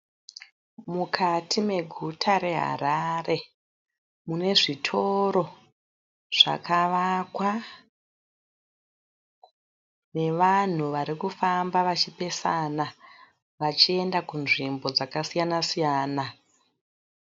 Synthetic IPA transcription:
mukʰatʰime̞ɡʱutʰaɾe̞ɦa̰ɾare̞ | mune̞ʐitʰo̞ɾo̞ | ʐ̥a̰kaʋakwa | ne̞ʋan̤uʋaɾikufambaʋat͡ʃipe̞sana | ʋat͡ʃie̞ndakunʐimbo̞d͡zakasijanasijaːna

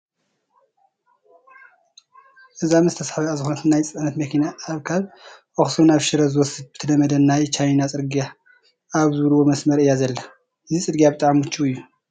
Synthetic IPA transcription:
ʔɨzamɨst̪ʰɐsħaβiazɨkxonɐt̪ʰɨnːajt͡sʼɨnɐt̪mɐkʰinaːβkʰaβʔoxsonaβʃɨɾɐzɨwɔsɨd̪̚bɨt̪ʰɐdɐmɐd̪ɐnːajt͡ʃajnat͡sʼɨɾɡija | aβzɨβɨlɨwo̞mɐsmɐɾɨjːazɐlːɐ | ʔɨzisʼɨd̪ɡijabɨt̪ʼaʕmɨt͡ʃːuɨjːu

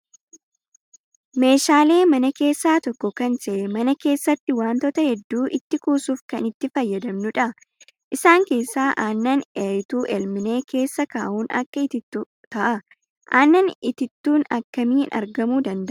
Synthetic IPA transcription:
me̞ːʃaːle̞ːmɐnɐke̞ːsːaːt̪ɔkːɔkɐnsɛmɐnɐke̞ːsːɐt̪ːɪwaːnt̪ɔt̪ɐhɛd̪ːuːʔɪt̪ːɪkuːsuːfkɐnɪt̪ːɪfɐjːɐd̪ɐmnʊᶑɐ | ʔɪsaːŋke̞ːsːaːʔaːnːɐneɪt̪uːʔɛlmɪne̞ːkʰe̞ːsːɐkaːʔuːnɐ̰kːɐɪt̪ɪt̪ːu | t̪ɐʔɐ | ʔaːnːɐnɪt̪ɪt̪ːuːnɐkːɐmiːnʔɐ̰ɾɡɐmuːd̪ɐnd̪ɐʔ

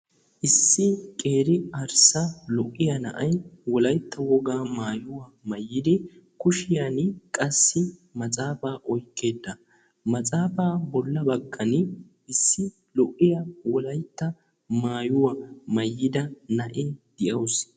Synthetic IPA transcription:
ʔɪsːɪkʼe̞ːɾɪɐɾsɐlɔʔːɪjɐnɐ̰ʔɐjwɔlɐjt̪ːɐwɔɡaːmaːjʊwamɐjːɪd̪ɪkʊʃɪjankʼɐsːɪmɐt͡sʼaːfaːʔɔjkːe̞ːd̪ːɐ | mɐt͡sʼaːfaːbɔlːɐbɐɡːɐn | ʔɪsːɪ | lɔʔːɪjɐwɔlɐjt̪ːɐ | maːjʊwɐmɐjːɪd̪ɐnɐʔɛd̪̥ɪʔɐws

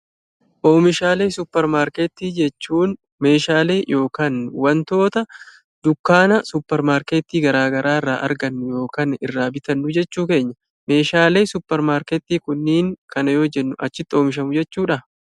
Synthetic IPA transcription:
ʔo̞ːmɪʃaːle̞ːsʊpːɛɾmaːɾkeːt̪ːiːd͡ʒɛt͡ʃːuːn | me̞ːʃaːle̞ːjʔo̞ːkaːnwɐnt̪o̞ːt̪ɐ | d̪̥ʊkːaːnɐsʊpːɛɾmaːɾkeːt̪ːiːɡɐɾaːɡɐɾʔaːɪrːaːʔɐ̰ɾɡɐnːʊjo̞ːkaːnɪ̰rːaːbɪt̪ɐnːʊd͡ʒɛt͡ʃːuːke̞ːɲːɐ | me̞ːʃaːle̞ːsʊpːɛɾmaːɾkeːt̪ːiːkʊnːiːŋkʰɐnɐjoːd͡ʒɛnːʊʔɐt͡ʃːɪt̪ːo̞ːmɪʃ̬ɐmʊd͡ʒɛt͡ʃːuːᶑɐ

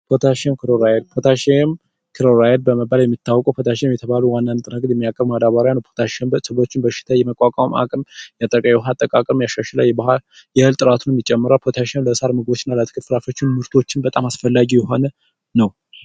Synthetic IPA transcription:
pʰot̪ʰaʃenkʰɨɾoɾajed̪̚pʰot̪ʰaʃem | kʰɨɾoɾajed̪̚bəməbːaljɛmːit̪ːawːɔkʼəwpʰot̪ʰaʃemjɛt̪ʰəβaluwanːant̪ʼɨnəɡd̪jɛmːijakʼəβbmad̪aβaɾjanəwpʰot̪ʰaʃɛnbəsəβo̞t͡ʃːɪnbəʃɪ̥t̪ʰajɛməkʷʼakʼama̰kʼɨmjat̪ʼəkʼajɛwɦat̪ʼːəkʼakʼəjaʃaʃlajɛbahal | jɛhɨlt̪ʼɨɾat̪ʰunɛmːit͡ʃʼɛmːɨɾalpʰot̪ʰaʃanləsaɾmɨɡbo̞t͡ʃːɪnːalət̪ʰɨ̥kʰɨflafo̞t͡ʃːɪnmɨɾt̪ʰo̞t͡ʃːɪnbət̪ʼamasfəlːaɡijɛɦo̞nə | nəw

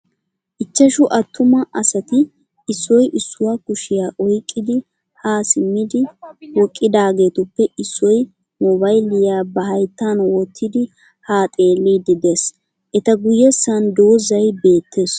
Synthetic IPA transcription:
ʔɪt͡ʃːɐʃʊʔɐt̪ːʊmɐʔɐsɐt̪ɪ | ɪsːɔjʔɪsːʊwakʊʃɪjaːʔɔjkʼːɪd̪ɪ | haːsɪmːɪd̪ɪwɔkʼːɪd̪aːɡe̞ːt̪ʊpːɛɪsːɔj | mɔbɐjlɪjaːbɐhɐjt̪ːanwɔt̪ʰːɪd̪ɪ | haːt̪ʼe̞ːliːd̪ɪd̪es | ʔɛt̪ɐɡʊjːɛsːɐnd̪o̞ːzɐjbe̞ːt̪ːe̞ːs

